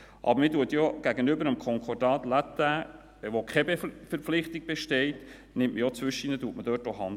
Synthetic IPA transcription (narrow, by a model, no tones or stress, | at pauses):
ʔɑ̰bəɾmɪːduətjɔɡ̥æɡənʏbəɾəmkʰɔŋkʰɔrdɑːt̪læt̪æ | ʋokχɛbefəɾflɪχt̪ɪk̚b̥eʃtɛɪt | nɪmʔməjɔt͡sʋʏʃinətuətmədœːtɔhɑn